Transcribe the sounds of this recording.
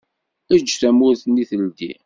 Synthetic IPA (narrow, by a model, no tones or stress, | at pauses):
æd͡ʒːθæmʊɾθnːiθəld̪ḭ